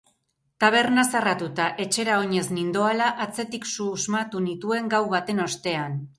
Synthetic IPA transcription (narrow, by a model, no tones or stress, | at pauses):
t̪aβ̞e̞ɾnasarat̪ut̪aʔe̞t͡ʃe̞ɾao̞ɲe̞znind̪o̞alaʔat͡se̞t̪iksuzmat̪unit̪ue̞ŋɡawβat̪e̞no̞st̪e̞an